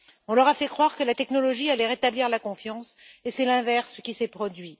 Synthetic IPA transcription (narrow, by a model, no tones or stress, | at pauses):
ɔ̃lœʁafɛkχwaʁkəlat̪ɛknɔlɔʒialɛʁet̪abliʁlakɔ̃fjɑ̃sesɛlɛ̃vɛʁskʲisɛpχɔd̪ɥi